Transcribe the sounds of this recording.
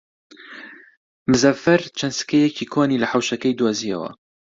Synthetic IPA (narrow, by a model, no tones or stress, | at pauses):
mɨzɐvfɐɾt͡ʃʰɐnsɨ̥kɐjɛcʰikʰoːnilɐħawʃɐkɐjd̪wazijɐ̰wɐ̰